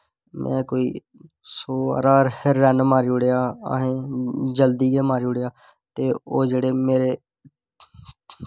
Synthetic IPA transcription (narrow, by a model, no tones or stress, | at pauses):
mɛ̰̃ːkoːḭː | soːa̰ːɾaːɾhəɾːɛːnmaːɾiːʊɽejaːa̰ɦẽːd͡ʒəld̪iːɡeːmaːɾiːɽeːaː | t̪eːoːd͡ʒeːɽeːmeːɾeː